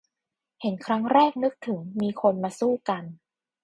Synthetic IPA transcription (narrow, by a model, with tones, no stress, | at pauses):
he˩˦nkʰɾa˦˥ŋɾɛː˥˩k̚nɯ˦˥k̚t̪ʰɯ˩˦ŋmiː˧kʰo˧nmaː˧suː˥˩ka˧n